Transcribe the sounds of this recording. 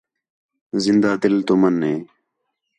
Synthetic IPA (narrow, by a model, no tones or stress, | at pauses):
zɪnd̪aːd̪ɪlt̪oːmənːeː